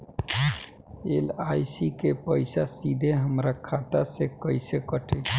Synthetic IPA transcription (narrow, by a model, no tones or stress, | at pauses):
ḛlaːɪsikepəɪsasid̪ʱeɦəmɾakʰat̪asekəɪsekəʈe